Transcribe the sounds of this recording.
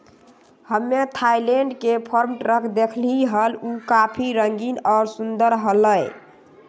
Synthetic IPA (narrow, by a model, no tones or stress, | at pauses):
həmːet̪ʰajleɳɖkepʰəɾmʈɾəkd̪ekʰliɦəlukapʰiɾəŋɡinɔːɾsund̪əɾɦələj